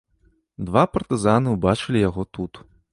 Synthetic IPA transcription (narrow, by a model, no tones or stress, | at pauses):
d̪vapɐrt̪ɨzanɨwbat͡ʂɨlʲijaɣɔt̪ut̪